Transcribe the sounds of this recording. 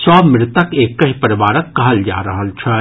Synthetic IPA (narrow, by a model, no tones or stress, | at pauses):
sɔːmɾɪt̪əkeːkːɐɦipɐɾɪʋaːɾəkːɐɦəld͡ʒa̰ːɾɐɦəlt͡ʃʰɐ